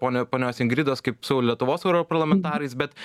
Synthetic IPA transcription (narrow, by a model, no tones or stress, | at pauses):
poːnʲɛpoːnʲoːsɪŋɡɾʲɪd̪oːskɐɪpsɐʊlʲlʲiɛt̪ʊʋoːsɛʊɾopɐɾlˠɐmʲɛnt̪ɑːɾɐɪsbʲɛt̪